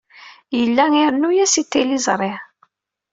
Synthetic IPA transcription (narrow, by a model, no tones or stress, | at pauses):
jəlːæŋiɾnujæsit̪ːilizˤɾˤɪʕ